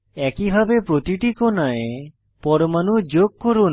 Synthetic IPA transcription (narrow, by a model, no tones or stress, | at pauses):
ɛkibʱabepɾot̪iʈikonaje | pɔɾɔmanud͡ʒoɡ̚kɔɾon